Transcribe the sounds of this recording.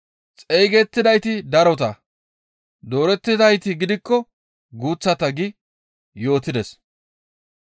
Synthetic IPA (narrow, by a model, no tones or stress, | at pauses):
t͡sʼejɡɛt̪ːɪd̪ɐjt̪ɪd̪ɐɾɔt̪ɐ | d̪o̞ːɾɛt̪ːɪd̪ɐjt̪ɪɡɪd̪ɪkːɔ | ɡuːt͡sːɐt̪ɐɡɪ | jo̞ːt̪ɪd̪ɛs